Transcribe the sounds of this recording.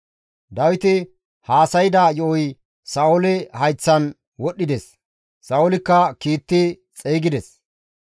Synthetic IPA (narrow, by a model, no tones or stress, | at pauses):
d̪ɐwɪt̪ɪ | haːsɐjɪd̪ajɔʔɔj | sɐʊlɪhɐjt͡sːɐn | wɔɗːɪd̪ɛs | sɐʊlɪkːɐkiːt̪ːɪ | t͡sʼeːɡɪd̪ɛs